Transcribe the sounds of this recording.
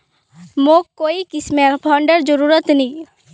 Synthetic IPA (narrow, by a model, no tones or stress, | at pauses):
moːkoːikɪsmepʰaːɳɖəɾd͡ʒəɾuːɾət̪nĩː